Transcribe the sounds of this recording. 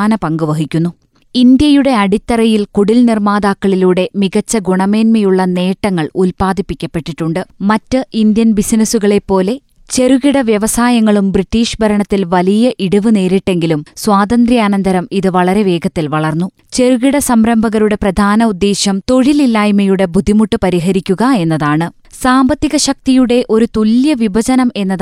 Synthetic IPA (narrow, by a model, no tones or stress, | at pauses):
aːnɐpɐŋɡuʋɐɦikʲːunːu | ind̪jɐjuɽe̞ɐɽit̪ːɐrɐjilkuɽilnirmaːd̪aːkːɐɭiluːɽe̞miɣɐt͡ɕːɐɡuɳɐme̞ːnmɐjuɭːɐne̞ːʈːɐŋːɐɭulpaːd̪ʱipːikʲːɐpːe̞ʈːiʈːuɳɖɨmɐtːɨind̪jɐnbisnɐsuɣɐɭe̞pːo̞ːle̞ | t͡ɕe̞ruɣiɽɐʋjɐʋɐsaːjɐŋːɐɭumbritːiːʂbʱɐɾɐɳɐt̪ːilʋɐlijɐʔiɽuʋɨne̞ːɾiʈːe̞ŋɡilumswaːd̪ɐnd̪ɾiaːnɐnd̪ɐɾɐmiðɨʋɐɭɐɾe̞ʋe̞ːɡɐt̪ːilʋɐɭɐrnːu | t͡ɕe̞ruɣiɽɐsɐmɾɐmbʱɐɣɐɾuɽe̞prɐd̪ʱaːnɐud̪ːe̞ːɕjɐmt̪o̞ɻililːaːjmɐjuɽe̞bʱud̪ʱːimuʈːupɐɾiɦɐɾikʲːuɣɐe̞nːɐðaːɳɨ | saːmbɐt̪ːiɣɐɕɐk̚t̪ijuɽe̞ʔo̞ɾut̪uljɐʋibʱɐd͡ʑɐnɐme̞nːɐð